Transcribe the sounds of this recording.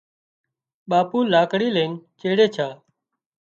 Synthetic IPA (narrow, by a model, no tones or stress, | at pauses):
ɓaːpuːlaːkɽiːlẽːŋt͡ʃeːɽeːt͡ʃʰaː